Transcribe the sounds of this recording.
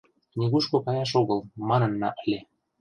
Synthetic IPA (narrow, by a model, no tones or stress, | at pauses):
nʲeɣuʃkokɑjɑʃoɣəlmɑnɤ̆nːɑʔə̆lʲe